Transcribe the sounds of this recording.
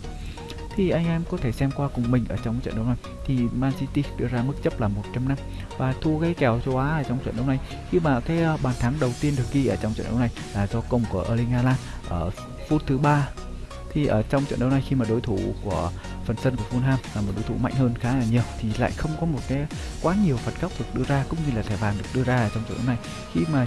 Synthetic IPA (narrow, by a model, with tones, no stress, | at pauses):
t̪ʰi˨˩ʔa˧jŋ̟ʔɛ˧mkɔ˨˦t̪ʰe˧˩sɛ˧mkwaː˧kʊ˨˩ŋ͡mmï˨˩ŋ̟ʔəː˧˩t͡ɕɔ˧wŋ͡mt͡ɕwə̰˧˨nɗə˧wna˨˩j | t̪ʰi˨˩maː˧nsi˧t̪i˧ɗɨ˧əzaː˧mɨ˦˥k̚t͡ɕə˦˥p̚laː˨˩mo˨˩t̚t͡ɕa˧mna˧m | vaː˨˩t̪ʰu˧kaː˨˦jkɛ˨˩wt͡ɕo˧wʔaː˨˦ʔəː˧˩t͡ɕɔ˧wŋ͡mt͡ɕwə̰˧˨nɗə˧wna˨˩j | xi˧maː˨˩kaː˨˦jʔɓaː˨˩nt̪ʰa˨˦ŋɗə˨˩wt̪i˧ənɗɨ˨˩ə˩k̚ki˧ʔəː˧˩t͡ɕɔ˧wŋ͡mt͡ɕə̰˧˨nɗə̰˧wna˨˩jlaː˨˩zɔ˧kə˧˩wŋ͡mku˧˩əʔəː˧˩lï˧ŋ̟haː˧laː˧n | ʔəː˧˩ | fu˦˥t̚t̪ʰɨ˨˦ɓaː˧ | t̪ʰi˨˩ʔəː˧˩t͡ɕɔ˧wŋ͡mt͡ɕw̰nɗə˧wna˨˩jxi˧maː˨˩ɗo˨˦jt̪ʰu˧˩ku˧˩ə | fə˨˩nsə˧nku˧˩əvfu˧nɦaː˧mlaː˨˩mo˨˩ɗo˨˦jt̪ʰu˧˩ma̰˧˨jŋ̟həː˧nxaː˨˦aː˨˩ɲi˨˩əwt̪ʰi˨˩la̰ː˧˨jxə˧wŋ͡mkɔ˨˦mo˨˩t̚kaː˨˦j | kwaː˨˦ɲi˨˩əwfə˨˩t̚ka˦˥p̚ɗɨ˨˩ək̚ɗɨ˧əzaː˧kʊ̰˧˥ŋ͡mɲɨ˧laː˨˩t̪ʰaː˧˩ɓaː˨˩nɗɨ˨˩ək̚ɗɨ˧əzaː˧ʔəː˧˩t͡ɕɔ˧ŋ͡mt͡ɕw̰ɗə˧wna˨˩j | xi˧maː˨˩